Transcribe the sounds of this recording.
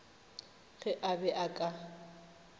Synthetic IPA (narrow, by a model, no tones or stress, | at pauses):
ɣɛʔabɛʔakʼa